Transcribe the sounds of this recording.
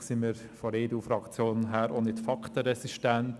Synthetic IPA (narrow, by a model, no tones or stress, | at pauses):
sɪnmiːɾ | fɔɾeːduːfɾɑkt͡sjoːnɦɛːɾʔonɪtfɑktəɾɛsiʃtɛnt